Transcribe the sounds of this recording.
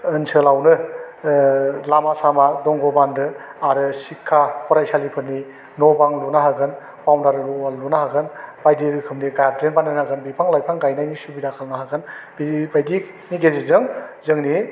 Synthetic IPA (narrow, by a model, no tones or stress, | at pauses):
ɯnsɯlawnɯ | lamasamadɔŋɡɔbandɯaɾɯsikʰːapʰɔɾajsalipʰɯɾni | nɔbaŋlunaɦaɡɯn | pawndaɾɯɾualunaɦaɡɯnb̥ajdiɾɯkʰɯmniɡajadɾenbanɯnhaɡɯnbipʰaŋlajpʰaŋɡajnajnisubidakʰalnaɦaɡɯnbibajdik | niɡezizɯŋzɯŋni